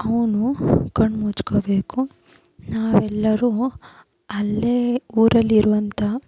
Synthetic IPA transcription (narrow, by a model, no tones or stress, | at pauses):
ɐʋnukɐɳɖmuːt͡ʃkobe̞ːku | naːʋɛlːɐɾuː | ɐlːeːuːɾɐlːiɾuʋɐnt̪ʰɐ